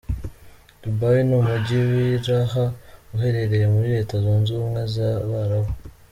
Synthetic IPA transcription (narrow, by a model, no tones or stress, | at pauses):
d̥ubajinumuɟiwiɾahauɦe̞ɾe̞ɾe̞je̞muɾiɾe̞ːtazonzumŋezaβaɾaβo